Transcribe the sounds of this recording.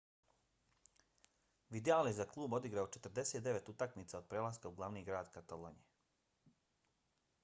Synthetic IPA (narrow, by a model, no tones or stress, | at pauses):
ʋid̪jaːlezaklˠuːbo̞d̪iɡɾaot͡ʃe̞t̪ɾd̪e̞seːt̪d̪e̞ʋe̞t̪ut̪akmit̪sao̞d̪̚pɾelaskauɡlˠaʋniːɡɾaːd̪kat̪alˠoːɲie